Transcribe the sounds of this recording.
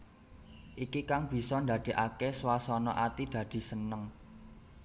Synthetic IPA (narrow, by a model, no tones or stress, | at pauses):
ʔikikaŋb̥i̤sɔnd̪a̤d̪̥i̤ʔakeswasɔnɔʔat̪id̪̥ä̤d̪̥i̤sənəŋ